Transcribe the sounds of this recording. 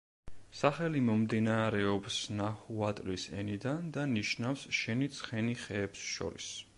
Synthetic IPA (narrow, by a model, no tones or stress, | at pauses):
saχɛlimɔmd̪inaɾɛɔpsnahuat̪ʼlisɛ̰nid̪and̪aniʃnafsʃɛnit̪sʰχɛniχɛːpsʃɔ̰ɾḭs